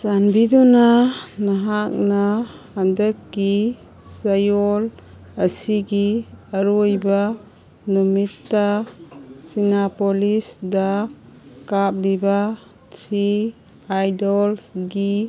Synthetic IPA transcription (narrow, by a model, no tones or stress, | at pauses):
sanbidunanaɦak̚na | andəkːi | sajɔl | ɐsiɡiaɾuɔjba | numitːa | sinapɔlisda | kap̚liba | tʰɾi | ajdɔlsɡi